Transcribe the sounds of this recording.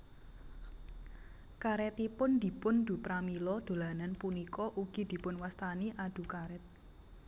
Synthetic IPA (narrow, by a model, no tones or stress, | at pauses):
kaɾɛt̪ipʊnd̪̥i̤pʊnd̪̥ṳpɾamilɔd̪̥o̤lananpunikɔʔuɡ̥i̤d̪̥i̤pʊnwast̪aniʔad̪̥ṳkaɾɛt̪̚